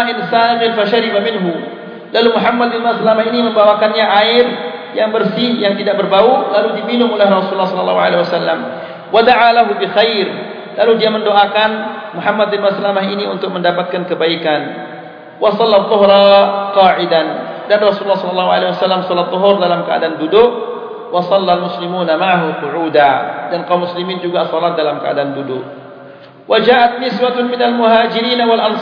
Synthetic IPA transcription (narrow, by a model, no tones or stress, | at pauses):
aʔɪnsaːɣɪlfaʃaɾibamɪnɦu | lalumuɦamːad̪̚bɪnmasalamahiniməmbawakanɲaʔaɪrjaŋbərsijaŋt̪idaʔ̚bərbaulaludiminʊŋolɛhrɔsuulːɑhsɔlɔlːɑ̰ɦuʕa̰lewasalːa̰m | wad̪aʕalaɦubixajr | laludiaməndoʔakanmuħamːad̪̚bɪnmaslamaɦiniunt̪ʊk̚məndapat̪̚kankəbaikan | wʔɑsɑlːat̪ˤːɔɦɾɑqɑːʕɪdandanrɑsululːɑhsɔlɑlːɑɦuʕalewasalːamsɔlat̪ːɔɦʊrdalamkəa̰daandudʊʔ̚ | wɑsɑlːalmʊslimuːnamaʕaɦuqʊʕuːdadanqaumːuslimind͡ʒuɡasolat̪̚dalamkəa̰dandudʊk̚ | wʔad͡ʒaːʔat̪̚nɪswat̪mɪnalmuɦaːd͡ʒɪɾiːnawalʔɑn